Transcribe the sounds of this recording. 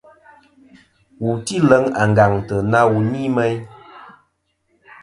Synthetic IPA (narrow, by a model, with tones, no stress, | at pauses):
wu˨ti˦lə˨˦ŋa˨ŋ̩˨ɡa˨ŋtə˨na˦wu˨ni˦mɛ˦j